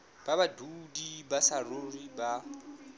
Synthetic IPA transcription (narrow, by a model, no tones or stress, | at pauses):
b̥abadudibasaroriba